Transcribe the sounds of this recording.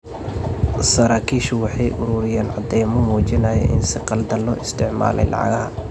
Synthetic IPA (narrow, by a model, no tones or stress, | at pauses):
sɐɾaːkʰiːʃʊwɑħɑjʔʊɾʊɾɪjaːnʕɑd̪ɛjmɔmuːt͡ʃɪnɐːjɛ̰ʔɪnsɪqɑld̪ɐlːɔ̰ːʔɪst̪ʰɪʕma̰ːlɛ̰jlʔɑ̰ʕɑ̰ɣɐhɐ